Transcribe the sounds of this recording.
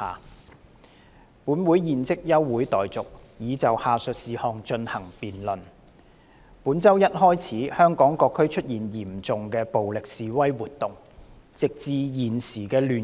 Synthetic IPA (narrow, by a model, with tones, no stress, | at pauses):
a̰ː˨ | puː˨˥nwu˨˥jjiː˨nt͡sɪ˥k̚jɐ˥wːuː˨˥jt̪ɔː˨jt͡sʊ˨k̚jiː˨˥t͡sɐ˨whaː˨sɵ˨t̚siː˨hɔː˧ŋt͡ʃɵ˧nhɐ˨˩ŋpiː˨˩nlɵ˨n | puː˨˥nt͡sɐ˥wjɐ˥t̚hɔː˥jt͡sʰiː˨˥hœː˥ŋkɔː˨˥ŋkɔː˧kʰːɵ˥ɥt͡ʃʰɵ˥t̚jiː˨˩njiː˨˩mt͡sʊ˨ŋkɛː˧po˨wlɪ˨k̚siː˨wɐ˥jwuː˨t̚t̪ːʊ˨˩ŋ | t͡sɪ˨k̚t͡siː˨˧jiː˨˩nsiː˨˩kɛː˧lyː˨